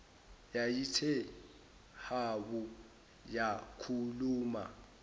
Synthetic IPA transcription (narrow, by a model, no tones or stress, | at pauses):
jajitʰɛ | habu | jakʰuluːma̰